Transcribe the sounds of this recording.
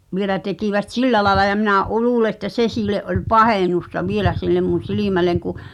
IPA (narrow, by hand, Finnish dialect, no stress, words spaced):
ʋielæ tekiʋæt silːæ lɑĕlɑ jɑ minæ ʔu luːle ĕtːæ se siːleʔ ʔolʲ pɑheˑnustɑ ʋielæ silːem mun̞ siliˑmæleŋ ku